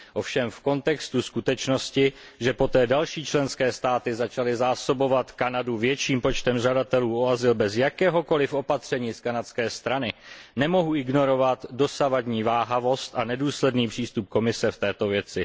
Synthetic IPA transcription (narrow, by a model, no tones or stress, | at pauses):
ʔo̞fʃɛmfko̞nt̪ɛkst̪uskut̪ɛt͡ʃno̞scɪ | ʒɛpo̞t̪ɛːdalʃiːt͡ʃlɛnskɛːst̪aːt̪ɪzat͡ʃalɪzaːso̞bo̞vat̪kanaduvjɛt͡ʃiːmpo̞t͡ʃt̪ɛmʒ̝adat̪ɛluːo̞azɪlbɛzjakɛːɦo̞ko̞lɪfʔo̞pat̪r̝̥ɛɲiːskanat̪skɛːst̪ɾanɪnɛmo̞ɦuʔɪɡno̞ɾo̞vat̪do̞savadɲiːvaːɦavo̞st̪ʔanɛduːslɛdniːpr̝̥iːst̪up̚ko̞mɪsɛft̪ɛːt̪o̞vjɛt͡sɪ